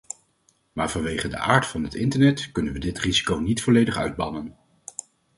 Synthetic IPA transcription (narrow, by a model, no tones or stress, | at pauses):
maːɹv̥ɑnʋejχədə̰ʔaːɹtfɑnɦətɪntəɹnɛtkɵnənʋədɪtrizi̥kownitfɔlejdəχœ̰ɥd̚bɑnən